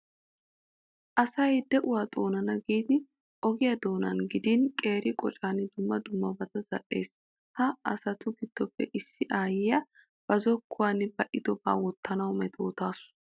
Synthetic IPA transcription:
ʔɐsɐjd̪ɛʔʊwaːt̪ʼo̞ːnɐnɐɡiːd̪ɪ | ʔɔɡɪjɐd̪o̞ːnɐnɡɪd̪inkʼe̞ːɾɪkʼɔt͡ʃʼaːnɪd̪ʊmːɐd̪ʊmːɐbɐt̪ɐzɐʔe̞̰ːs | hɐɐ̰sɐt̪ʊɡɪd̪̥ːɔpːɛ̰ʔɪsːɪʔaːjɪjɐ | b̥ɐzɔkʰːʊwaːnbɐʔɪd̪ɔba̰ːwɔt̪ːɐnɐwmɛt̪ʰʼo̞ːt̪aːsʊ̥

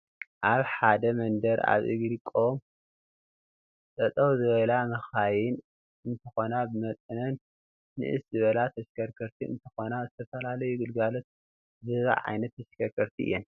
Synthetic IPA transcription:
ʔaβħad̪ɐmɐnd̪ɐɾa̰βʔɨ̰ɡɾikʼːom | sʼɐt̪ʼɐwzɨβɐlamɐxajɪn | ɨnt̪ʰɐxo̞nabɨmɐt̪ʼɨnɐnː | ɨ̰ʔɨszɨβɐlat̪ʰɐskʰɐɾkʰɐɾt̪ʰiɨ̰nt̪ʰɐxo̞nazɨt̪ʰɐfɐlalɐjuɡɨlɡalo̞t̪̚ | zɨβa̰ʕa̰jnɐt̪ʰːɐʃkʰɐɾkʰɐɾt̪ʰiʔɨ̰jːɛn

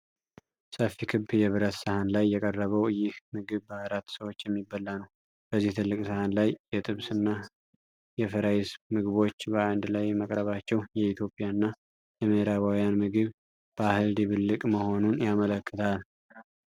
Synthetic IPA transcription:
səfːikʰɨbjɛβɨɾət̪səhanlajːɛkʼərːəβəwjɪhmɨɡɨβbəaɾat̪ːsəwo̞t͡ʃːjɛmːibːəlːanəw | b̥əzːiht̪ʰɨlːɨkʼsəhanlajjɛt̪ʼɨβsɨnːa | jɛfɨɾajɪsmɨɡɨβo̞t͡ʃːbəand̪lajməkʼɾəβat͡ʃːɛwjɛit̪ʰjo̞pʼijaɨnːa | jɛməhɾaβawjanmɨɡɨβ | b̥əahɨld̪iβɨlːɨkʼməho̞nunjamələkːɨt̪ʰal

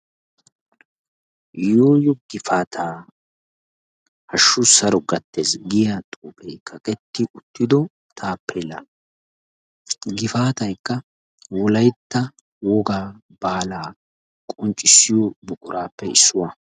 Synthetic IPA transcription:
joːjɔɡ̥ɪfaːt̪ʰaː | hɐʃːʊsɐɾɔɡɐt̪ːeːsɡɪjat̪ʼuːpʼɛjkʰɐkʼɛt̪ːɪʔʊt̪ːɪd̪ɔ | t̪ʰaːpʰːɛlɐ̰ | ɡɪfaːt̪ɐjkːɐ | wɔlɐjt̪ːɐ | wɔɡaː | baːlaː | kʼɔnt͡ʃʼːɪsːɪjɔbʊkʼʊɾaːpːɛɪsːʊwɐ

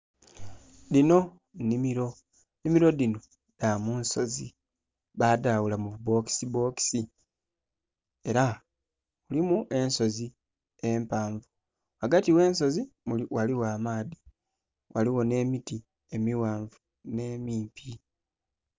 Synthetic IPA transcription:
dino̞ | nimiɾo̞ | nimiɾo̞dino̞ | damuːnso̞zi | βadawulamuβubo̞ki̥sibo̞ki̥si | e̞ɾa | ulimuʔe̞nso̞zi | empaːɱvu | waɡatiwe̞ːnso̞zimuiwaliwaːmaːði | wʔaliwo̞ne̞ːmiti | e̞miwaːɱvu | ne̞ːmiːmpʰi

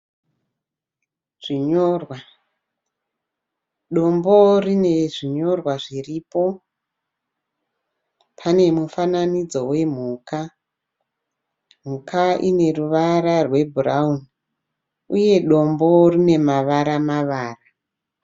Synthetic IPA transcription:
ʐ̥iɲo̞ːrwa | ɗo̞mbo̞rineʐiɲo̞rwaʐiripo̞ | pʰane̞mufananid͡zo̞we̞m̤ukʰa | m̤ukaʔine̞ruʋaɾarwe̞bʱurauni | uje̞ɗo̞mbo̞rine̞maʋaɾamaʋaːra

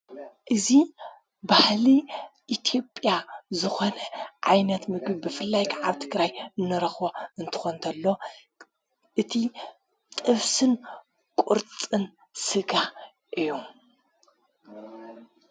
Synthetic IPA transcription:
ʔɨzi | bahliʔit̪ʰio̞pʼjazɨxo̞nɐʕa̰jnɐt̪mɨɡbibɨfɨlːajkʰaʕaβt̪ʰɨɡɾajɨnːɨɾɐxboɨnt̪ʰɨ̥xont̪ʰɐlːo̞ | ʔɨt̪ʰi | t̪ʼɨβsɨn | kʷʼuɾt͡sʼɨn | sɨɡa | ʔɨjːu

